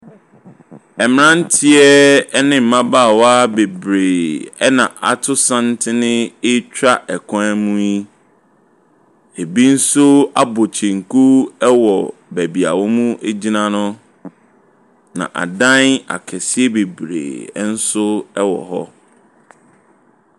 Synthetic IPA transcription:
ɛ˨m˨ɾã˦n̩˦tʰɪ˦ɛ˦nɪ̃˦m̩˨mã˦baː˦˨wa˦be˨bɾeː˨ɛ˦nã˨a˨tʰʊ˦sã˦n˦tʰɪ˦nɪ̃˦ɪ˦t͡ɕʰᶣɾa˦ʔɛ˨kʰɔ̃˦ɛ˦mũ˦i˦ | e˨bi˦n̩˦sʊ˦a̰˦bo˨t͡ɕʰẽ˨ŋ̩˨ku˦ɛ˦wɔ˨bæ˨bi˨a̰˨wɔ˦mũ˦ʔe˦d͡ʑi˦nã˦nʊ̃˦ | nã̰˨ʔa̰˨dã˦na̰˨kʰɛ˨si˦ɛ˦be˨bɾḛː˨˦n̩˦sʊ˦ɛ˦wɔ̰˨ɦɔ̰˦

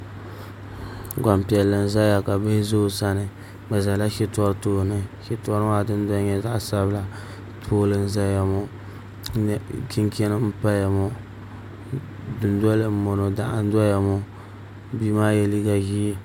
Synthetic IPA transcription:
ɡa˨mpi˨ɛ˨lːɨ˨n̩˦za˦ja˨ka˨be˦zo˦˨sa˦nɨ˨ | ba˨za˨la˦ʃɪ˦tɔ˦ɾtoː˨nɨ˦ʃɪ˦tɔ˦ɾa˦˨dɨ˦n˦da˦ɲɛ˦za˦ʔsa˦bɨ˦la˨ | tʰoː˦lɨ˦n̩˦za˦ja˨mɔ˦ | n˨ki˦ŋkɛ˦nɨ˦m̩˦pa˦ja˨mɔ˦ | dʊ˨ndɔ˦lɨ˨m̩˦mo˨no˨da˨ʔa˦n˦da˦ja˨mʊ˦ | bi˦maː˦jɛ˦liː˦ɡa˦ɡiː˦

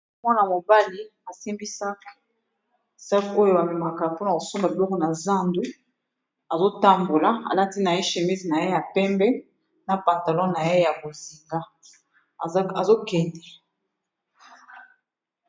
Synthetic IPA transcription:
mwa˦na˨mo˨ba˦li˦a˨si˦mbi˦sa˦k | sa˦ko˦jo˦a˨mi˨ma˨ka˨po˦n˨ko˨so˦mba˨bi˨lɔ˦kɔ˨na˨za˦ndu˦ | a˨zo˦ta˦mbo˨la˨a̰˨la˦ti˦na˨e˦ʃe˨mi˦zi˨na˨je˦ja˨pɛ˦mbɛ˦ | na˨pã˨nta˨lɔ̃˦na˨je˦ja˨bo˨zi˨ŋɡa˦˨˦ | a˨zo˦kɛ˨ndɛ˨

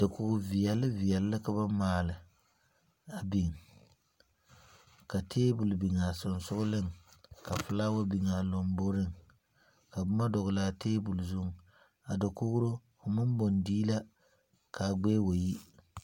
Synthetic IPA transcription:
dɨ˨kʊ˨ɡʊ˨vi˨jɛ˨lɨ˦vi˨jɛ˨lːɨ˦ka˦ba˦maː˨lɨ˨ | a˨bi˨ŋ˨ | ka˨tʰeː˦bʊ˨lbi˨ŋa˨sʊ˨nsʊ˦ɣʊ˦lɨ˦˨ŋka˨fɨ˨la˦wa˦bi˨ŋa˨lo˨m˦bo˦ɾɨ˦ŋ | ka˨bʊ˦ma˦dɔ˨ɣʊ˨la˨tʰeː˦bʊ˨lzʊ˦ŋ˨ | a˨dɨ˨kʊ˦ɣʊ˦ɾo˦ | ʊ˨mɨ˦m˦bo˨ndiː˦la˦ | kʰa˨ɡ͡beː˦wo˨ji˦

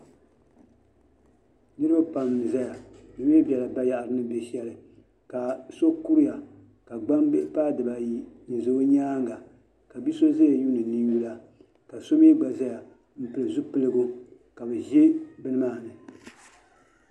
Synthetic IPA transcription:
nɨ˦ɾɨ˦ba˦pa˨m˨nɨ˨za˦ja˨nɨ˨m˦e˦bʲɛ˨la˨ba˦ja˦ʔa˨ɾɨ˦nɨ˦be˨ʃɛ˨lɨ˨ | ka˨so˦ku˦ɾɪ˦ja˨ | ka˨ɡ͡ba˦mbe˦ʔpaː˦dɨ˨ba˨ji˦ɲɛ˨zo˦o˦ɲaː˦ŋɡa˨ | ka˨bi˦so˦za˦ja˨ju˦nɨ˨nɨ˦ju˦la˨ | ka˨so˦m˦e˦ɡ͡ba˨za˦ja˨ | m̩˨pɨ˨lɨ˨zu˦pɨ˦lɨ˦ɡʊ˦ | ka˨bɨ˨ʒe˦bɨ˦nɨ˦maː˦˨nɨ˨

